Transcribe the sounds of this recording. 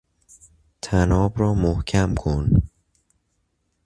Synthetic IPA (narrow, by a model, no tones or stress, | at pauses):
t̪ʰæːnɔːbɾɔːmohkʰæmkʰon